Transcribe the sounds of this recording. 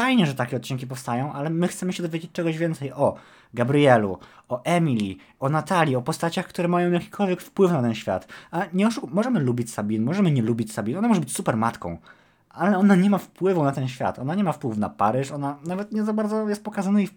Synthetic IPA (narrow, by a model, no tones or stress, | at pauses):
fajɲɛʐɛt̪akʲɛɔt̪̚t͡ɕiŋkʲipɔfst̪ajɔ̃w̃ʔalɛmɘxt̪sɛmɘɕɛd̪ɔvʲjed͡ʑet͡ɕ̚t͡ʂɛɡɔʑvʲɛnt̪sɛjɔ | ɡabɾijɛluɔʔɛmʲilʲi | ɔnat̪alʲjiɔpɔst̪at͡ɕaxkt̪uɾɛmajɔ̃w̃jakʲi̥kʰɔlvʲjɛkfpwɘfnat̪ɛnɕfʲja̰t̪aɲɛɔʂumɔʐɛmɘlubʲit͡ɕsabʲinmɔʐɛmɘɲɛlubʲit͡ɕsabʲinɔnamɔʐɛbɘt͡ɕsupɛɾmat̪kɔ̰̃w̃ | ʔalɛɔnaɲɛmafpwɘvunat̪ɛnɕfʲja̰t̪ɔnaɲɛmafpwɘfna̰paɾɘʂɔnanavɛt̪ɲɛzabaɾd̪zɔjɛst̪̚pɔkazanaif